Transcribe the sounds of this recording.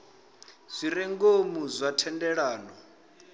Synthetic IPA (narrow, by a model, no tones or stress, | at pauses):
z̥ʷiɾɛŋɡomuzʷatʰɛndɛɺaːnɔ